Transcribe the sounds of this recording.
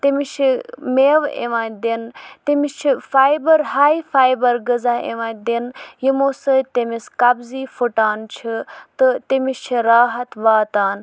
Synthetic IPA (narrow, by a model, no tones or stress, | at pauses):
t̪emit͡ʃʰimeːʋḛʋãːnd̪ent̪emist͡ʃʰifaːjbɐɾɦaːifaːjbɐɾɡəzaːḛʋãːnʲd̪enjimoːsɨt̪emiskɐbziːfuʈaːnt͡ʃʰit̪ɨt̪emist͡ʃʰiɾaːɦɐt̪ʋaːt̪aːn